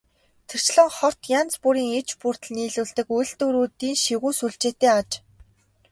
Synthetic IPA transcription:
t̪ʰĕr̥t͡ɕɮə̆ŋχɔr̥t̪jant͡spuɾiːŋet͡ɕpur̥t̪ɮniːɮuːɮt̪ɘ̆kujɮt̪uɾuːt̪iːŋʃiɣuːsuɮt͡ɕeːt̪eːat͡ɕ

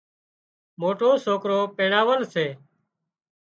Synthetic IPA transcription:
moːʈoːsoːkɾoːpeːɽaːʋəlnseː

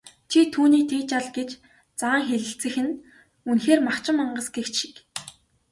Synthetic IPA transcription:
t͡ɕʰit̪ʰuːniːt̪ʰeːt͡ɕaɮɡet͡ɕ | t͡saːŋxeɮɘ̆ɬt͡sɘ̆xɘ̆n | unxeːrmakt͡ɕɪ̆mːaɴɢə̆sɡext͡ɕʃi̥k

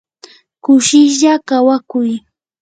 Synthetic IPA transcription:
kʊʃɪʃʎakawakʊj

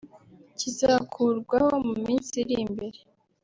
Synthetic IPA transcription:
cizaːkʰuːɾɡwahomumiːnsiɾimbe̞ɾe

